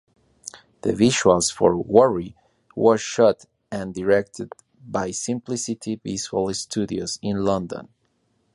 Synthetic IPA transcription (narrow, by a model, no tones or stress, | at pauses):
ðəviʃalˠz̥fɔɹwʌɹi | wə˞ʃʌt | ɨ̃ndɨɹɛk̚t̪ʰɨd̚ | bajsɪ̃mplisit̪ʰipisfəlˠɪstʰʉdiozɪ̃nlʌ̃nd̪ə̰̃n